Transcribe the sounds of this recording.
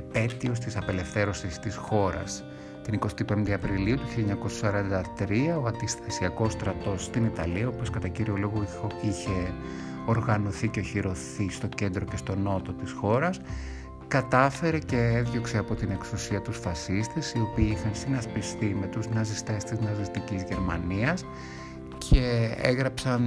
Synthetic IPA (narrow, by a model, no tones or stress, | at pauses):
pe̞t̪io̞st̪isɐpe̞le̞fθe̞ɾo̞sist̪isxo̞ɾɐ̰s | t̪iniko̞st̪ipemind̪ɐɐpɾiliut̪u̥çilʎːɐɲɐko̞sɐsɐɾɐnd̪ɐt̪ɾiɐoɐnd̪isθesiɐko̞st̪ɾɐt̪o̞sːt̪init̪ɐliɐoposkɐt̪ɐciɾio̞lo̞ɣoiçe̞ | o̞ɾɣɐno̞θiceçiɾo̞θist̪o̞ce̞nd̪ɾo̞ce̞st̪o̞no̞t̪o̞t̪isxo̞ɾɐs | kɐt̪ɐfe̞ɾe̞ce̞eðʝo̞kse̞ɐpo̞t̪ine̞ksusiɐt̪usfɐsist̪e̞sio̞piːixɐnsinɐspist̪ime̞t̪uznɐzist̪e̞st̪iznɐzist̪icizʝe̞ɾmɐniɐs | cʰeḛɣɾɐpsɐn